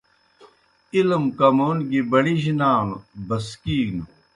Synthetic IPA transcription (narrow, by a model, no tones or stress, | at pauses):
ilmkɐmoːnɡibɐɽiɕinaːmbɐskiːnu